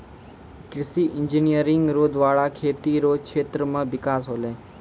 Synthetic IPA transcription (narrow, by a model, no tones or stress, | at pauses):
kɾɪsiʔɪɲd͡ʒinijəɾɪŋɡɾoːd̪ʋaːɭakʰeːt̪iɾokʰʃʰeːt̪ɾəmãʋɪkaːsɦoːle